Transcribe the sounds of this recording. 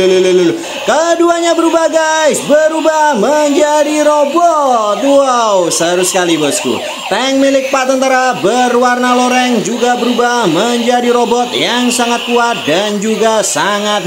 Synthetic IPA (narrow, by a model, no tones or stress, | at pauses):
lləl | kəduaɲabəɾubaɡajsbəɾubahməɲd͡ʒadiɾobɔt̪uawsaaɾʊsə̥kalibəskṵ | t̪ɛŋmilɪk̚pat̪ənt̪aɾabərwarnaloɾɛŋd͡ʒuɡabəɾubahməɲd͡ʒadiɾobɔt̪jaŋsaŋat̪̚kuat̪̚dand͡ʒuɡasaŋat̪̚